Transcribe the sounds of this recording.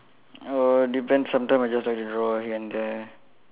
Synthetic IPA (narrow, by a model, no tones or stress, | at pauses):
odipɛ̃ndsãmtãj̃majd͡ʒastlak̚tudɹɔɦiɛ̃nd̪ɛ